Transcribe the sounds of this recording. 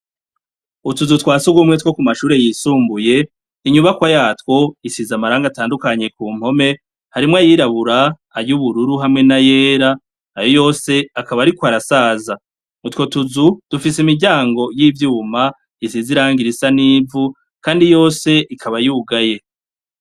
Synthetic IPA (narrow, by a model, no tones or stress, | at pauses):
utuzutwaːsuɡumŋe̞two̞kumaʃuːɾe̞jiːsuːmbuje̞ | iɲuβakwajaːtwo̞isizamaɾaːŋɡataːndukaɲe̞kuːm̥ho̞me̞ | haɾimŋajiɾaβuɾaː | ɾjuβuɾuɾuɦamŋe̞naje̞ːɾa | ajo̞jo̞ːse̞akaβaɾikwaɾasaːza | utwo̞tuzud̥ufis̬imiɾɟaːŋɡo̞jiːvjuːma | isiziɾaːŋɡiɾisaniːvu | kaːndijo̞ːse̞ʔikʰaβajuːɡaje̞